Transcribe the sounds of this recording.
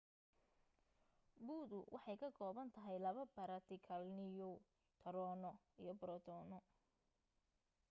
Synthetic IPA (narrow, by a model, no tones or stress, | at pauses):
buːðʊwʔɑħɑjkʰɐɡɔːβɐnt̪ʰɐɦɛjlɐβɐbɐɾɐt̪ʰɪkʰɐlnɪjɔ | t̪ʰɐɾɔːnɔ | ijɞbɾɔt̪ʰɔːnɔ